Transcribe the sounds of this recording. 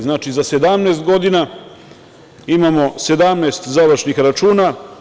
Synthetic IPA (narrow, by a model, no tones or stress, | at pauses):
znaːt͡ʃizase̞d̪amneːst̪ɡo̞d̪ina | imamo̞se̞d̪amneːst̪zaʋɾʃnixɾat͡ʃuːna